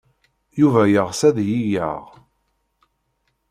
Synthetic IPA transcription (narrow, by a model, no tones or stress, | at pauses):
juvæjəʁsæðjijə̰ʁ